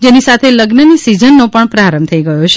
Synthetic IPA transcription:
d͡ʒenisat̪ʰeləɡnənisid͡ʒənːopəɳpɾaɾəmbt̪ʰəiɡəjot͡ʃʰe

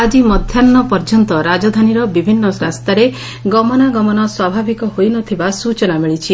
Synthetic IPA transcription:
ad͡ʒimɔd̪ʱjanːɔpɔɾd͡ʒɔnt̪ɔɾad͡ʒɔd̪ʱaniɾɔbibʱinːɔsɾast̪aɾe | ɡɔmɔnaɡɔmɔnɔswabʱabʱikɔɦojnɔt̪ʰibasut͡ʃɔnamiɭit͡ʃʰi

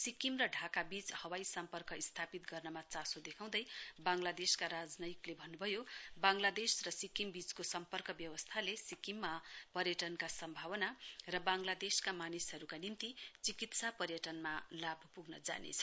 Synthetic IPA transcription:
sikimrʌɖʱakabit͡shʌwajsʌmpʌrkʌist̪ʰapit̪ɡʌrnʌmat͡sãsod̪ekʰãw̃d̪ʌjbaŋlad̪eskaɾad͡znʌjiklebʱʌnːubʱʌjobaŋlad̪esrʌsikimbit͡skosʌmpʌrkʌbjʌwʌst̪ʰalesikimːapʌrjʌʈʌnkasʌmbʱawʌnarʌbaŋlad̪eskamanisɦʌɾukanimt̪it͡sikit̪sapʌrjʌʈʌnmalabʱpuɡnʌd͡za̰nḛt͡sʰʌ̥

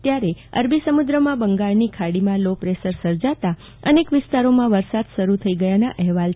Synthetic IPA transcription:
t̪jaɾeə̰ɾbʱisəmud̪ɾəmãbəŋɡaɭnikʰaɽimãlopɾesəɾsəɾd͡ʒat̪a | ənekʋɪst̪aɾomãʋəɾsad̪ʃəɾut̪ʰəiɡəjanaʔɛɦʋal

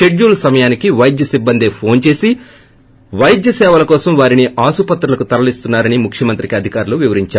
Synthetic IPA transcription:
e̞ɖjuːlsɐmɐjaːnikiʋɐjd̪jɐsibːɐnd̪eːpʰo̞ːnt͡ʃe̞ːsi | ʋɐjd̪jɐsɛːʋɐlɐkɔːsɐmʋaːɾiniʔaːsupɐt̪ɾɐlɐkut̪ɐɾɐlist̪unːaːɾɐnimukʰjɐmɐnt̪ɾikiɐd̪ʱikaːɾuluʋiʋɐɾiɲt͡ʃaːɾ

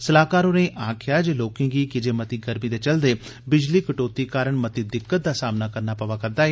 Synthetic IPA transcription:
səlaːkaːɾonẽːʔʔãːkʰjaːd͡ʒeːloːkɪ̃ŋɡiːkɪd͡ʒeːmət̪iːɡəɾmiːd̪eːt͡ʃəld̪eː | bɪd͡ʒliːkəʈoːt̪iːkaːɾəɳmət̪iːd̪ɪkːət̪̚d̪aːsaːmnaːkəɾnaːpəʋaːkəɾd̪aːɦe

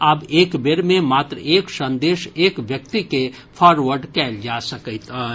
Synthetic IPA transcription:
abeːkbeɾmẽmaːt̪ɾəeːksə̃nd̪eːʃeːkʋjək̚t̪ike | pʰɔːɾʋəɾɖkɛːld͡ʒasəkət̪ː

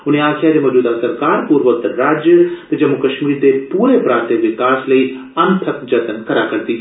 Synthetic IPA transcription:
ʊnɦẽaːkʰjaɾemɐd͡ʒuːd̪asɐɾkaːɾpuːɾʋək̚t̪ɾaːd͡ʒjət̪ɐd͡ʒɐmːukɐʃmiːɾt̪epuːɾepɾãːnt̪eʋɪkaːslɐi | ɐnt̪ʰəkd͡ʒɐt̪ənkɐɾakɐɾt̪i

